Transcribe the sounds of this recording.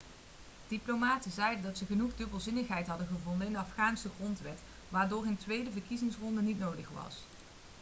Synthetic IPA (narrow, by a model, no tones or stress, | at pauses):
d̥iplomaːtəzɛjdəndɑtsəχənuχdɵbəlˠzɪnəχɦɛjtɦɑdəχəvɔndənɪndəɑfχaːnsəχrɔntʋɛt | ʋaːɹdʊːɹɦəntʋejdəvərkizɪŋsrɔndənitnowdəχʋɑ̰s